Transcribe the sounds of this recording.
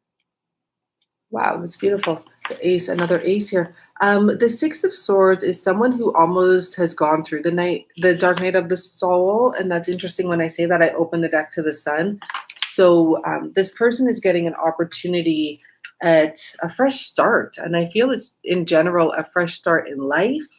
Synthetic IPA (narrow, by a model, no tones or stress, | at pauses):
wa̰ʊɨtsb̥jʉɾəfl̩ˠ | ɨʔeɪsɨ̰nʌðə˞ʔeɪshiɹ | ʔʌ̃mðɨsɪksʌv̥sɔɹdzɨz̥sʌ̃mwʌ̃nɦuʔɔlˠmoʊst̚hɨzɡɔ̃nθɹʉðɨnaɪt̚ðɨdɑɹk̚naɪɾʌvðɨsɔlˠɨ̰̃nðætsɪ̃nt͡ʃɹ̥ɨstɪ̃ŋwə̃naɪseɪðɨɾaɪʔoʊpə̃nðɨdɛk̚tʰɨðɨsʌ̃nsoʊʌ̰̃mðɪspʰɜ˞sɨ̃nɨzɡɛɾɪ̃ŋɨ̃nʔɑ̰pə˞tʰʉnɨɾi | ʔɨɾəfɹɛʃstɑɹtɨ̰̃naɪfilˠɨtsʔɪ̃nd͡ʒɛnə˞l̩ˠə̰fɹɛʃstɑɹɾɪ̰̃nlaɪf